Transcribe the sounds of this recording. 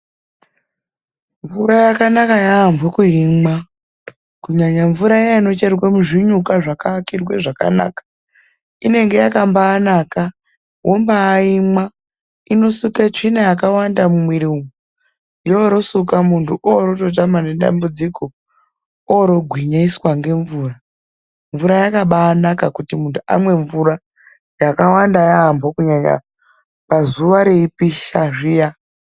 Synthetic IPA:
ɱvuɾajakanakajaːɱvukuɦima | kuɲaɲaɱvuɾajaino̞t͡ʃerwemuʐiɲukaʐakaːkirweʐaka̰na̰kḁ | ine̞ŋɡe̞jakambaːnaka | ɦo̞mbaːima | ino̞suket͡ʂinajakawandamumwiɾimu | joɾo̞sukamuntʰuʔoɾoto̞tamane̞ɗa̰mbud͡ziko̞ | oɾo̞ɡʱwiɲaiswaŋɡe̞ɱvuːra | ɱvuɾajakaɓaːnakakutimuntʰua̰mwe̞ɱvuɾa | jakawandajaːmbokuɲaɲa̰ | pazuʋaɾeipiʃaʐija

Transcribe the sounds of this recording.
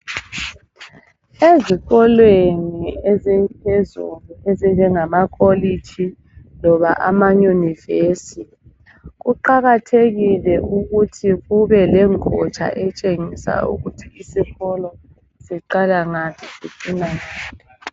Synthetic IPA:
eziɣɔlweniezimpʰezṵluezind͡ʒɛŋamakʼolit͡ʃʰi | lɔβaʔamajunivesiti | ɣuǃaɣatʰeɣilɛʔuɣutʰiɣuβɛlɛŋɔ̰t͡ʃʰʼa̰ʔɛt͡ʃʼeŋisa̰ṵɣutʰiisiɣɔlɔ | siǃalaŋatʰisḭǀinaŋaːtʰi

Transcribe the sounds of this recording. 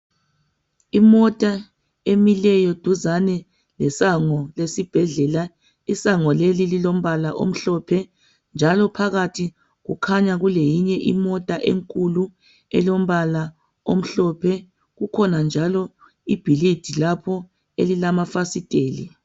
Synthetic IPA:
imɔtʼa | emilɛjɔd̥ʱuzanɛ | lɛsaŋɔlesib̥ʱɛɮɛla | isaŋɔlelililom̩βalaʔo̰m̩ɬɔpʰɛ | nd͡ʒʱalɔpʰaɣatʰi | ɣukʰaɲaɣulejiɲɛʔḭmɔtʼaʔḛŋkʼulu | ɛ̰lom̩βala | om̩ɬɔpʰɛ | ɣukʰɔnand͡ʒʱalɔ | ib̥ʱilid̥ʱilapʰɔ | elilamafasitʼeːli

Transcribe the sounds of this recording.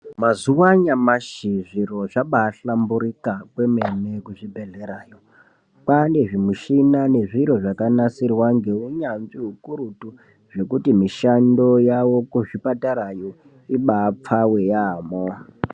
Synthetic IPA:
mazuwaɲamaʃiʐiro̞ʐaɓaːɬambuɾikakwe̞mene̞kuʐibʱe̞ɮe̞ɾaːjo̞ | pane̞ʐimuʃinane̞ʐiɾo̞ʐakanasirwaŋɡe̞uɲanʐiɦukuɾutu | ʐe̞kutimiʃando̞jawo̞kuʐipataɾajo | iɓap͡fawe̞jaːmo

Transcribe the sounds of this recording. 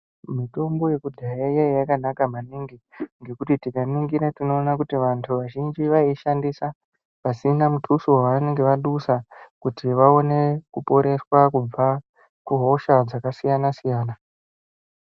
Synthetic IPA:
mito̞mbo̞je̞kudʱajajajakanakamaniŋɡiŋɡe̞kutitikanuŋɡiɾatino̞ːnakutiʋantʰuʋaʒind͡ʒiʋaiʃandisa | pasinamutʰusowaʋane̞ŋɡe̞ʋaɗusakutiʋao̞ne̞kupo̞ɾe̞swakub͡va | kuɦo̞ʃad͡zakasijanasijaːna

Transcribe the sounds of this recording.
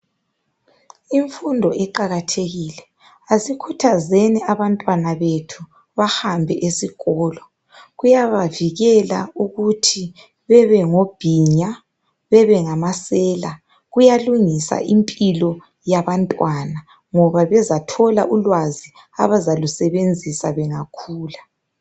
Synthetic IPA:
iɱfundʱɔʔɛǃaɣatʰeɣiːlɛ | asikʰutʰazɛnɛaβantʼwanaβetʰu | βahambʱɛʔesiɣɔːlɔ | ɣujaβaviɣɛla̰uɣutʰi | βɛβɛŋob̥ʱiːɲa | βɛβɛŋamasɛːla | ɣujaluŋisa̰ʔimpʼilɔ | jaβantʼwana | ŋɔβaβɛzatʰɔla̰ʔulwazi | a̰βazalusɛβend͡zʱisaβɛŋakʰuːla

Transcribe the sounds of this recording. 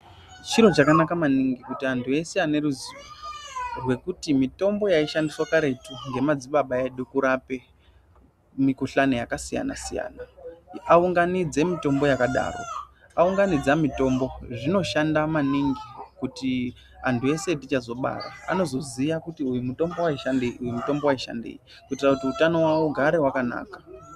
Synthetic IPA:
t͡ʃiɾo̞t͡ʃakanakamaniŋɡikutiantʰue̞se̞ane̞ɾuziʋo | rwe̞kutimito̞mbo̞jaiʃandiswakaɾe̞tuŋɡe̞mad͡ziɓaɓaeɗokuɾape̞ | mikuɬanojakasija̰na̰sija̰ːnaauŋɡanid͡ze̞mito̞mbo̞jakaɗa̰ːro̰ | auŋɡanid͡zamito̞mbo̞ʐino̞ʃandamaniŋɡikuti | antʰue̞se̞tit͡ʃazo̞ɓa̰ɾa̰ano̞zo̞zijakutiujumuto̞mbo̞waiʃandeujumuto̞mbo̞waiʃa̰ndḛji | kutirakutiutano̞wawoɡʱaɾewakana̰ːkḁ

